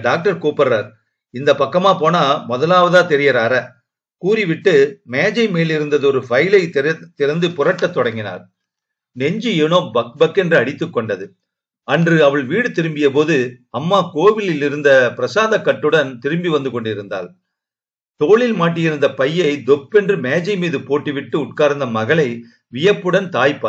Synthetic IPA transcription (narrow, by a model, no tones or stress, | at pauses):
ɖaːk̚ʈɐɾkoːpɐɾɐɾ | ɪnd̪ɐpɐkːɐmaːpoːnaːmɔðɐlaːʋɐðaːt̪ɛɾɪjɐɾaːɾɐ | kuːrɪʋɪʈːɯmeːd͡ʒɐɪmeːlɪɾɯnd̪ɐðɯɔɾɯfɐjlɐɪt̪ːɪɾɐnd̪ɯpʊɾɐʈːɐt̪ːɔɽɐŋɡɪna̰ːɾ | nɛɲd͡ʒɯɛnoːbɐk̚bɐkːɛndrɯɐɽɪt̪ːɯkːɔɳɖɐðɯ | ɐndrɯɐʋɐɭʋiːɽɯt̪ɪɾɯmbɪjɐpoːðɯ | ɐmːaːkoːʋɪlɪlɪɾɯnd̪ɐpɪɾɐsaːðɐkːɐʈːɯɽɐnt̪ɪɾɯmbiʋɐnd̪ɯkɔɳɖɪɾɯnd̪a̰ːl | t̪oːɭɪlmaːʈ̬ːɪjɪɾɯnd̪ɐpɐjːɐɪd̪ɔpːɛndrɯmeːd͡ʒɐɪmiːðɯpoːʈːiʋɪʈːɯʊʈ̚kaːɾnd̪ɐmɐɣɐɭɐɪ | ʋɪjɐpːɯɽɐnt̪aːjpːa